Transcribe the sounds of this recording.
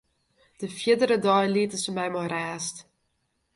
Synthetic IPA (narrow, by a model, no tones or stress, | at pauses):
d̥əfiədəɾədɔjlitəsəmɛjmɔɾæːst